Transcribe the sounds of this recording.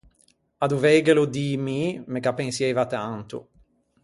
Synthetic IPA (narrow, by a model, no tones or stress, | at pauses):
ad̪uvɛjɡelod̪imimekapːeŋsjɛjvat̪ant̪ṵ